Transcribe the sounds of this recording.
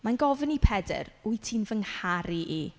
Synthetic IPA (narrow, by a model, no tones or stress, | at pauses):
manɡɔvənipʰɛdɛ̰ɾujtʰiːnvəŋhaɾiʔi